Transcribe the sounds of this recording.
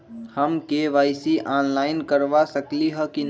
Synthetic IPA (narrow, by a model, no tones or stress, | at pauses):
həmkeʋaɪsiʔanlaɪnkəɾʋasəkliɦəkin